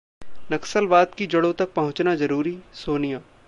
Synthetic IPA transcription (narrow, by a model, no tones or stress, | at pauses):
nɐksəlʋaːd̪kid͡ʒɐɽõt̪ɐk̚pɐɦʊ̃t͡ʃnazɐɾuːɾisoːnijaː